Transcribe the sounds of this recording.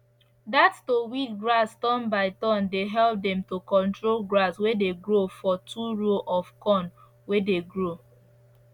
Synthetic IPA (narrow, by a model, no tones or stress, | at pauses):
dattowikɡɹastɔ̃nbaɪtɔ̃ndeɦɛlp̚dɛ̃mtokɔ̃ntɹolɡɹaswedeɡɹofɔtʰuɹoʔɔfkɔ̃n | wedeɡɹo